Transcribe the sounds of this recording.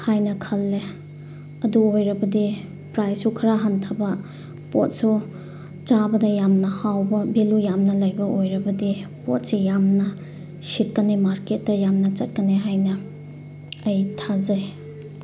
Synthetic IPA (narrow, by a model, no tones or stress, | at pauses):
hajnɐkʰɐlːe | ɐduojɾɐbɐdi | pɾajssukʰɐɾaɦantʰabɐ | pot̚su | t͡ʃabɐdɐjamnɐhawbɐbelujamnɐlɐjbɐojɾɐbɐdi | po̰t̚sejamnɐ | sit̚kɐnemaɾket̚dɐjamnɐt͡ʃɐt̚kɐneɦajnɐː | jtʰazɐj